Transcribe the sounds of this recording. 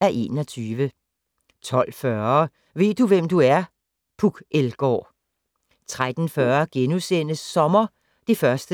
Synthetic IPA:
æɐʔe̝̰nɒ̽t͡sʰyːʋə | t͡sʰɒ̽l̰fɶɐ | ʋe̝̰ːd̥uʋemd̥uæɐ | pʰuɡ̥elɡ̥ɒ̰ː | t͡sʰʁad̥n̩fɶɐɡ̥enusen̰əsːɒ̽mɐ | d̥e̝fɶɐsd̥ə

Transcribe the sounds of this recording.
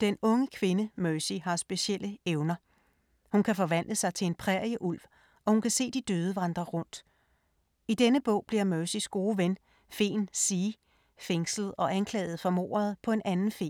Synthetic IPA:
d̥enɔ̽ŋəkʰʋe̝nəmœsiɦɑ̈sb̥e̝ɕiel̰ʔəeʊnɐ | hunkʰæfɒ̽ʋæn̰d̥əsɑ̈ɪt͡sʰe̝le̝npʰʁɛɐjəʔul̰ʋ | ʔɒ̽hunkʰæse̝̰ːd̥id̥øːð̞ˠəʋɑ̈nd̥ʁɐʁɔ̽n̰d̥ | id̥enəb̥ɔ̰̽ʊ̰b̥liɐmœːsisɡ̥o̝ːʋen | fe̝̰ːnsiː | feŋsləð̩ˠɒ̽ʔænkʰlɛ̰ːð̞̩ˠfɒ̽mo̝̰ːɐð̞̩ˠpʰɒ̽e̝nʔænn̩fe̝̰ː

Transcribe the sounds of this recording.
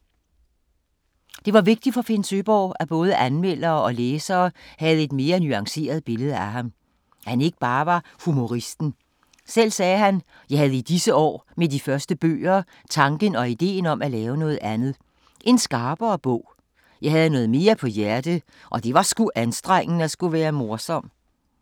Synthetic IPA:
d̥e̝ʋɑ̈ʋe̝ɡ̥̚d̥i̥fɒ̽fe̝nsøb̥ɒ̰ːæb̥ɔ̽ːð̞ˠəʔænmel̰ɐːɒ̽leːsɐːhæð̞̩ˠe̝d̥me̝ːɐnyɑ̈ŋse̝̰ːɐð̞̩ˠb̥e̝ləðˠəæɦɑ̈m | hæne̝ɡ̥ə̥b̥ɑ̈ːʋɑ̈humo̝ʁisd̥n̩ | sel̰sɛːɦæn | jɑ̈ɪhæðˠəid̥isəɒ̰ːmed̥ifɶɐsd̥əb̥ø̰ːɐ | t͡sʰɑ̈ŋɡ̥ənɒ̽id̥e̝̰ːnɒ̽mælɛːʊənɔ̽ːð̞̩ˠænð̩ˠ | ʔe̝nsɡ̥ɑ̈ːb̥ɐːb̥ɔ̰ʊ̰ | jɑ̈ɪhæð̞ˠnɔ̽ːð̩ˠme̝ːɐpʰɒ̽jæɐd̥ə | ʔɒ̽d̥e̝ʋɑ̈sɡ̥uʔænsd̥ʁaŋ̰n̩æsɡ̥uʋæːɐmo̝ɐsɒ̽m̰

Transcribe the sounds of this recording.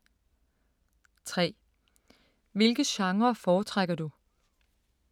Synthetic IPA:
t͡sʰʁɛ̰ː | ʋe̝lɡ̥əɕɑ̈ŋʁɐfɒːt͡sʰʁaɡ̥ɐd̥u

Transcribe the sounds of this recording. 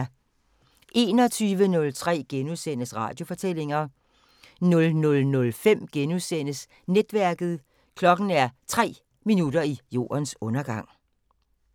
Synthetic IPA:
ʔe̝ːnɒt͡sʰyːʋənɔ̽lt͡sʰʁɛ̰ːɡ̥enusen̰əsʁɑ̰̈ːd̥jo̝fɒ̽t͡sʰel̰e̝ŋɐ | nɔ̽lnɔ̽lnɔ̽lfem̰ɡ̥enuðˠsen̰əs | ned̥ʋæɐɡ̥ð̩ˠ | kʰlɒ̽ɡ̥n̩æɐt͡sʰʁɛ̰ː | minud̥ɐijo̝̰ːɐnsɔ̽nɐɡ̥ɑ̈ŋ̰

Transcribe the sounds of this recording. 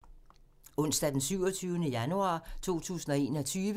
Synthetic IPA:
ɔ̽n̰sd̥æd̥ensyʊ̰ɒt͡sʰyːʊnəjænuɑ̈ːt͡sʰo̝̰ːt͡sʰṵːsn̩ɒe̝̰ːnɒ̽t͡sʰyːʋə

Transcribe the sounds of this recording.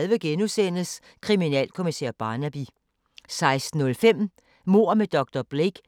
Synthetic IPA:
lʋəɡ̥enusen̰əs | kʰʁiminɛ̰ːlkʰo̝misḛːɐb̥ɑ̈ːnæb̥i | sɑ̈ɪsd̥n̩ɔ̽lfem̰ | mo̝ɐ̰med̥ɒ̽ɡ̥̚d̥ɒb̥leɡ̥

